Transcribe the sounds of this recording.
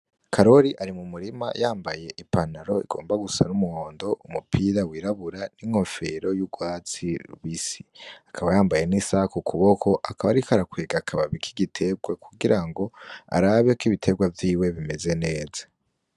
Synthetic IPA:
kʰaɾo̞ɾiʔaɾimumuɾima̰jaːmbaje̞ʔipanaɾo̞ḭɡ̥o̞̰ːmbaɡusa̰numuhoːndo̞ʔumupʰiɾawiːɾaβuɾaniŋ̥ho̞fe̞ɾo̞juɡwaːt͡siɾuβisiakʰaβajaːmbaje̞nisakukʰuβo̞kʰo̞ʔakʰaβaɾikoaɾakweːɡakʰaβaβikʰiɡitʰe̞b̚ɡwakuɡiɾaŋɡo̞a̰ɾaβekiβitʰe̞bɡwavjiːwe̞βime̞ze̞ne̞ːzḁ

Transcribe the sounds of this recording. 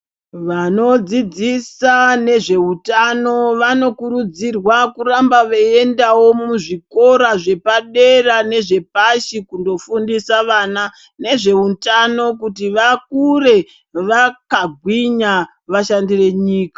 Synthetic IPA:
ʋano̞d͡zid͡zisane̞ʐe̞utano̞ʋano̞kuɾud͡zirwakurambaʋee̞ndawo̞muʐiko̞ɾaʐe̞paɗe̞rane̞ʐe̞paʃikundo̞fundisaʋaːna | ne̞ʐe̞utano̞kutiʋakure̞ | ʋakaɡʱwiɲa | ʋaʃandire̞ɲiːkḁ

